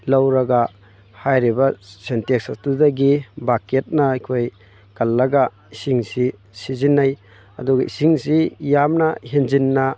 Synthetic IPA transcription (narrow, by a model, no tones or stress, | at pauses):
lawɾɐɡa | hajɾibɐsenteksɐstudaɡibaket̚nɐɐjkʰoj | kɐlːɐɡa | isiŋsi | sizinːaj | ɐ̰duɡɐḭsiŋsijamnɐɦenzinːɐ